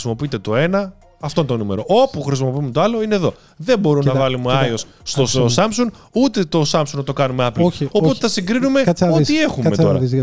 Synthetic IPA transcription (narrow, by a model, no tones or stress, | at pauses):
simo̞piit̪e̞t̪o̞e̞nɐ | ɐft̪oint̪onume̞̰ɾo̞ʔo̞puxɾisimo̞piumet̪oɐlo̞ine̞ðo̞ | ðe̞mbo̞ɾumnnɐvɐlumeɐjo̞s | st̪osɐmpsuŋɡ | ut̪e̞t̪o̞sɐmpsuŋɡnɐt̪okɐnumeɐploo̞ot̪e̥θɐsiŋɡɾinume̞uie̞xummeoɐ